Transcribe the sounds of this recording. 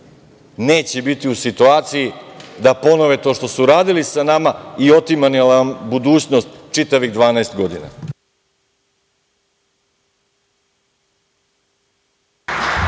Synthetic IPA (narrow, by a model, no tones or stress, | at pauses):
neːt͡ɕebit̪iusit̪uaːt̪sijid̪apo̞no̞ʋet̪o̞ːʃt̪o̞suɾaːd̪ilisanamaio̞t̪imanilabud̪uːt͡ɕno̞st̪t͡ʃit̪aʋiɣd̪ʋaːnaest̪ɡo̞d̪ḭna̰